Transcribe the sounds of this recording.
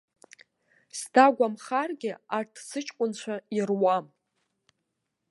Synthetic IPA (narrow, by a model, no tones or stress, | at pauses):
sdaɡʷamχarɡʲɪartʰsɨt͡ʃʼkʷʼʊnt͡ɕʷʰairwam